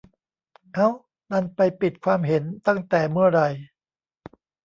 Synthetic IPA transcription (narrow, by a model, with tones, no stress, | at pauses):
ʔaː˦˥˩w | na˥˩npa˧jpi˨˩t̪̚kʰwaː˧mɦe˩˦nt̪a˥˩ŋt̪ɛː˨˩mɯ˥˩ɐɾa˧j